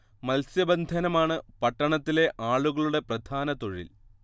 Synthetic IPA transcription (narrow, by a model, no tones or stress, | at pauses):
mɐlsjɐbɐnd̪ʱɐnɐmaːɳɨpɐʈːɐɳɐt̪ːile̞ʔaːɭuɣɐɭuɽe̞prɐd̪ʱaːnɐt̪o̞ɻḭl